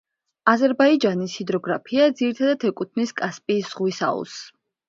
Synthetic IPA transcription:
azɛɾbaid͡ʒanishid̪ɾɔɡɾapʰiad̪ziɾit̪ʰad̪at̪ʰɛkʼut̪ʰniskʼaspʼiːsz̥ʁwisa̰ṵs

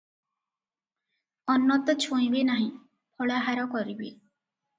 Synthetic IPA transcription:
ɔnːɔt̪ɔt͡ʃʰõĩbenaɦĩ | pʰɔɭaɦaɾɔkɔɾibe

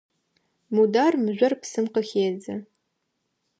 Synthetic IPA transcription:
mudaːrmɨʑʷɐrpsɨmqəxeːzɐ

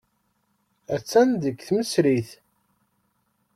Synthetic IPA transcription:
æt͡sːænd̪əkθməsɾiθ

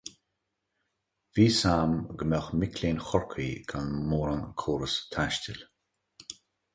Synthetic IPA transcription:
viːsaːmɡəmɛxmɪkʰlʲeːnxɔɹkʰiːɡʰanmoːɾaŋkʰoːɾəst̪ʰaʃtɪl

